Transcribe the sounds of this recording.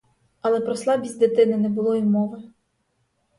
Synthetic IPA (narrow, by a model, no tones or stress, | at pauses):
ɐlˠɛpɾɔslˠɑbʲizʲd̪et̪ɪnɪnɛbʊlˠɔimɔʋɪ